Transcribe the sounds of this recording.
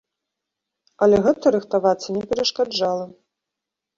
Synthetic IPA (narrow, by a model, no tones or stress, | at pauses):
ɐlʲɛɣɛt̪ɐɾɨxt̪avat̪sːɐnʲɛpʲɛɾɐʂkad͡ʐalˠɐ